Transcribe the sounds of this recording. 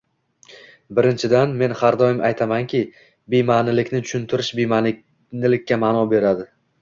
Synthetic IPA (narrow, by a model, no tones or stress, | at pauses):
bɪɾɪnt͡ʃʰɪd̪anme̞nhaɾd̪ɒjɪmʔajt̪ʰamaŋkʲɪ | bejmanɪlɪkʲnɪt͡ʃ̪ʰʊ̥ʃʊnt̪ʰɪɾɪʃbema | nɪlɪkʲːamaːnɒbe̞ɾad̪ɪ